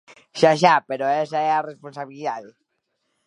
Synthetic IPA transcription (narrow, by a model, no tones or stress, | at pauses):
ʃaʃapeɾoesaɛaresponsaβiliðaðe